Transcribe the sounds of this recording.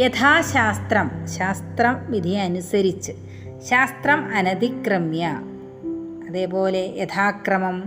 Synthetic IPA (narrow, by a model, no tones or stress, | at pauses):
jet̪ʰaːɕaːst̪rɐmɕaːst̪rɐmʋid̪ʱijɐɐːnusɐɾit͡ɕːɨ | ɕaːst̪rɐmɐnɐd̪ikrɨmjɐ | ɐðe̞ːpo̞ːle̞jet̪ʰaːkrɐmɐm